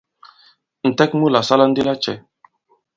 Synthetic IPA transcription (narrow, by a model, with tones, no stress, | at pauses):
n̩˨tɛ˦k̚mu˦la˨sa˦la˦n̩˦di˦la˦t͡ʃɛ˨